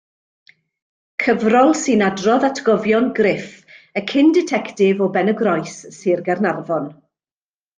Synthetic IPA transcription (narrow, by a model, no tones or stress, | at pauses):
kʰəvrɔlˠsɨnadrɔðatʰɡ̥ɔvjɔnɡrɪfəkʰɪndɪtʰɛktɪvɔbɛnəɡrɔjsːɨrɡɛrnarvɔn